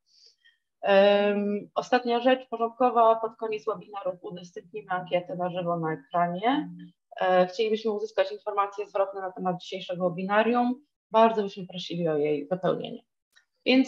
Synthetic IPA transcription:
ɔst̪at̪ɲaʐɛt͡ʂpɔʐɔnt̪̚kɔvapɔt̪kɔɲɛt̪swɛbʲinaɾufud̪ɛst̪ɨp̚ʲɲimɘaŋkʲjɛt̪ɛnaʐɘvɔnaɛkɾaɲɛ | xt͡ɕelʲibɘɕmɘuzɘskat͡ɕinfɔɾmat̪sʲjɛzvɾɔt̪̚nɛnat̪ɛmad̪̚d͡ʑiɕejʂɛɡɔwɛbʲinaɾjum | baɾd̪zɔbɘɕmɘpɾɔɕilʲiɔjejvɔpɛwɲḛɲɛ̰ | vʲjɛnt̪s

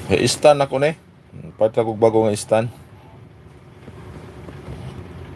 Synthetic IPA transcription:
hḛʔist̪anakone | pad̪̚kakoɡ̚baɡoŋaist̪an

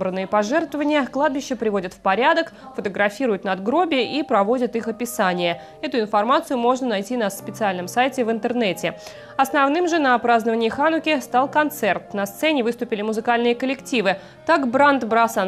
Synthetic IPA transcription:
bɾənːɨjəpɐʐɛrt̪vəvənʲɪjəklˠad̪̚bʲɪɕːəpɾʲɪvo̞dʲɪt̪fpɐɾʲad̪ək | fət̪əɡɾɐfʲiɾʊjʊt̪nɐd̪ɡɾo̞bʲɪəʔipɾɐvo̞dʲɪt̪ixɐpʲɪsanʲɪjə | ɛt̪ʊɪnfɐrmat̪sɨjʊmo̞ʐnənɐjtʲinaspʲɪt̪sɨalʲnəmsajtʲɪvɨnt̪ɨrnɛtʲɪ | ɐsnɐvnɨmʐɨnɐpɾaznəvənʲɪːəxanʊkʲɪst̪alˠkɐnt̪sɛrt̪nɐst̪sɛnʲɪvɨst̪ʊpʲɪlʲɪmʊzɨkalʲnɨjəkəlʲɪktʲivɨ | t̪akbɾant̪bɾasan

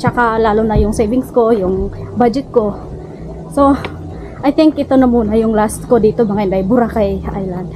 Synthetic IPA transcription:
t͡ʃɐkalaːlʊnɐjʊŋsɛjvɪŋsko̞jʊŋbad͡ʒɛt̪̚ko̞ | so̞ | ʔajt̪ɪŋkʔɪt̪onɐmuːnɐjʊŋlaskod̪iːt̪obɐŋaɪnd̪ajbʊɾakɐjʔa̰jland̪̚

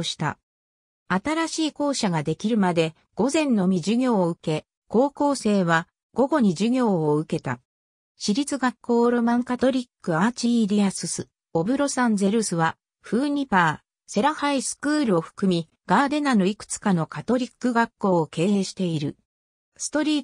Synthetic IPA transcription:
ɕi̥t̪a̰ | at̪aɾaɕiːko̞ːɕaɡad̪e̞kʲiɾɯ̟mad̪e̞ | ɡ̥o̞zẽ̞nːo̞mʲiʑɨɡʲo̞ːɯ̟ke̞ | ko̞ːko̞ːse̞ːβa | ɡ̥o̞ɡo̞ɲ̟iʑɨɡʲo̞ːoɯ̟ke̞t̪a̰ | ɕiɾʲit͡sɨɡakːo̞ːɾo̞mãŋkat̪o̞ɾʲikːɯ̟at͡ɕiɾʲiasɨsɨ | o̞bɯ̟ɾo̞sãnze̞ɾɯsɨβa | ɸɯ̟ːɲ̟ipaː | se̞ɾahaisɨ̥kɯ̟ːɾɯ̟o̞ɸɯ̟̥kɯ̟mʲi | ɡ̥aːd̪e̞nano̞ikɯ̟̥t͡sɨ̥kano̞kat̪o̞ɾʲikːɯ̟ɡakːo̞ːke̞ːeːɕi̥t̪e̞iɾɯ̟ | sɨ̥t̪o̞ɾʲiː

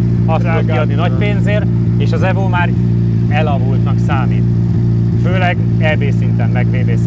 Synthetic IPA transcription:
ɒst̪ot̪kiɒd̪ninɒcpeːnzeːr | eːʃɒzɛvoːmaːɾ | ɛlɒɦult̪nɒksaːmḭːt̪ | føːlɛɡ | ɛveːsint̪ɛmmɛɡʋeːveː

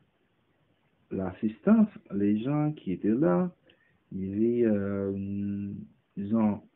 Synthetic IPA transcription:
lasist̪ɑ̃sleʒɑ̃kʲʰiet̪ɛla | ivɛ | d̪izɔ̃

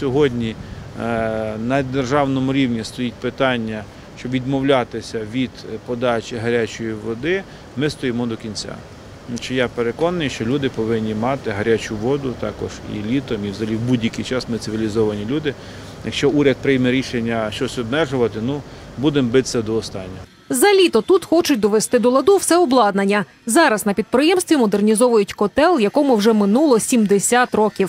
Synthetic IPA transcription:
sʲɔɦɔdʲnʲi | nɐd̪erʒɑwnɔmʊɾʲiwnʲist̪ɔjitʲpɪt̪ɑnʲːɐ | ʃt͡ʃɔbʋʲid̪mɔwlʲat̪ɪsʲɐʋʲid̪̥pɔd̪ɑt͡ʃʲɪɦɐɾʲat͡ʃɔjiʋɔd̪ɪ | mɪst̪ɔjɪmɔd̪ɔkʲinʲt͡sʲa̰ | t͡ʃejapeɾekɔnɐnɪjʃt͡ʃɔlʲud̪ɪpɔʋɪnʲːimɑt̪ɪɦɐɾʲat͡ʃʊʋɔd̪ʊt̪ɑ̰kɔ̰ʒ̥ḭlʲit̪ɔmiwzɐɐlʲiwbudʲjɐkijt͡ʃɑsmɪt̪sɪʋʲilʲizɔʋɐnʲilʲud̪ɪ | jɐkʃt͡ʃɔuɾʲɐd̪̚pɾɪjmɛɾʲiʃenʲːɐʃt͡ʃɔsʲɔbmɛʒʊʋɐt̪ɪnubud̪embɪt̪sʲɛd̪ɔːst̪ɑnʲːɔ | zɐlʲit̪ɔt̪ut̪xɔt͡ʃʊt̚ʲd̪ɔʋest̪ɪd̪ɔlˠɐd̪uwsɛɔblˠɑd̪nɐnʲːɐ | zɑɾɐznɐpʲid̪̚pɾɪjɛmst̪ʋʲimɔd̪ernʲizɔʋʊjʊtʲkɔt̪ɛlˠjɐkɔmʊwʒɛmɪnulˠɔsʲimd̪esʲat̪rɔkʲiw

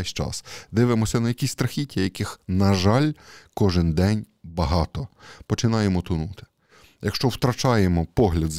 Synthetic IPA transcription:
ɛʃt͡ʃɑ̰sd̪ɪʋɪmɔsʲɐnɐjɐkʲisʲst̪ɾɐxʲitʲːɐjɐkɪxnɐʒɑlʲkɔʒɪnd̪ɛnʲ | bɐɦɑt̪ɔpɔt͡ʃɪnɑjemɔt̪ʊnut̪ɪ̥ | jɐkʃt͡ʃɔwt̪ɾɐt͡ʃɑjemɔpɔɦlʲɐd̪z

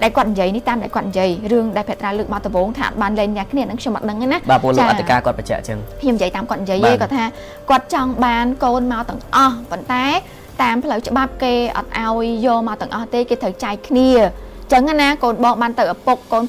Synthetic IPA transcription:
ɗaɛlkŏət̪̚ɲjiəjniht̪aːmɗaɛlkŏət̪̚ɲjiəjrɨəŋɗaɛlpʰĭət̪raːlɨːk̚ɓat̪ɔʋoːŋt̪ʰaːʔt̪̚ɓaːnlɛːŋlaːkʰniəanɨŋkʰjɲomʔɑ̰t̪ɗəŋʔanahɓaːpuəlt͡ɕaːk̚ʔt̪ʰːikaːkŏət̪̚pɑt͡ɕɛ̰̆əʔt͡ɕəŋkʰɲomːɲjiəjt̪aːmkŏət̪̚ɲjiəjʔeːkɑːt̪ʰaː | kŏət̪̚t͡ɕɑŋɓaːnkoːnmaɔt̪ɨ̆əŋʔɑhpont̪aɛ | t̪aːmpʰləwt͡ɕə̆ɓap̚keːʔɑ̰t̪̚ʔaɔjːɔːlmaɔt̪ɨ̆əŋʔɑht̪eːkeːt̪ʰəwt͡ɕaɛkʰniə | t͡ɕəŋːanakoːnɓɑːŋɓaːnt̪ɨwʔapok̚ːoːn

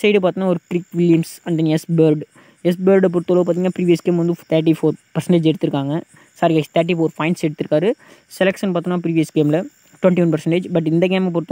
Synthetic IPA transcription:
sɛɪɽɯpaːɾt̪ɯŋnːaːɔɾɯkɪɾɪkːʋɪljɐmsɐɳɖ̪ɐnɛsbeːɾɖ | ɛsbeːɾɖp̬ɔɾt̪ːɐloːpaɾt̪iːŋɡnaːpɪɾiːʋijɐsɡeːmʋɐnd̪ɯt̪ʰɐɾʈ̬ifoːɾpɐɾsɛɳʈeːd͡ʒɛɽɯt̪ːɯɾɯkːaːŋɡɐ | saːɾiɡaːst̪ʰɐːɾʈ̬ːifoːɾfɐɪnʈsɛɽɯt̪ːɯɾɯkːaːɾɯ | sɛlɛkʂɐnpaːɾt̪uŋnaːpɪɾiːʋijɐsɡeːmlɐ | ʈʋɛɳʈiʋɐnpɐɾsɛɳʈeːd͡ʒbɐʈ̬ːɪnd̪ɐɡeːmp̬ːɔɾɯt̪ː

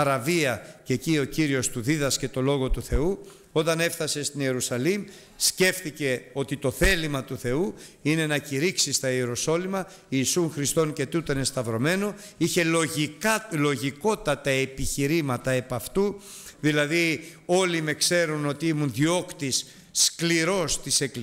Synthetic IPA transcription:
ɐɾɐviɐce̞cio̞ciɾio̞st̪uðiðɐsce̞t̪o̞lo̞ɣo̞t̪uθe̞u | o̞t̪ɐne̞fθɐse̞st̪inie̞ɾusɐlim | sce̞fθice̞o̞t̪it̪o̞θe̞limɐt̪uθe̞uine̞nɐciɾiksist̪ɐieɾo̞so̞limɐ | iːsuŋxɾist̪o̞nce̞t̪ut̪ene̞st̪ɐvɾo̞me̞no̞ | içe̞oilo̞ʝiko̞t̪ɐt̪ɐe̞piçiɾimɐt̪ɐe̞pɐft̪u | ðilɐðio̞lime̞kse̞ɾuno̞t̪iimunðio̞kt̪isː | kliɾo̞st̪ise̞kl

